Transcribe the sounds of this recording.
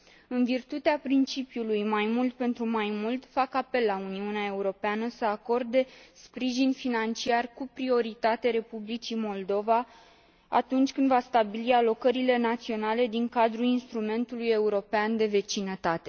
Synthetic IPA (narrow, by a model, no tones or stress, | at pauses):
ɨnvirt̪ut̪eapɾint͡ʃipjulujmajmult̪̚pe̞nt̪ɾumajmult̪fakape̞lːauniuneae̞uɾo̞peanəsəako̞rd̪e̞spɾiʒinfinant͡ʃiarkupɾio̞ɾit̪at̪eɾe̞publit͡ʃimo̞ld̪o̞va | a̰t̪unt͡ʃʲkɨnd̪vast̪abilialo̞kəɾile̞nat̪sio̞nale̞d̪iŋkad̪ɾulinst̪ɾume̞nt̪uluje̞uɾo̞peand̪e̞ve̞t͡ʃinət̪at̪e̞